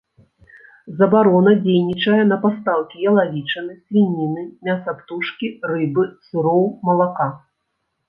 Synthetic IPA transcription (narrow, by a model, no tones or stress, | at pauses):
zɐbaɾɔnɐd͡zʲejnʲit͡ʂɐjɛn̪ɐpast̪alˠkʲijɐlˠavʲit͡ʂɐnɨsʲvʲinʲinɨmʲasɐpt̪uʂkʲirɨbɨsuɾɔwmɐlˠaka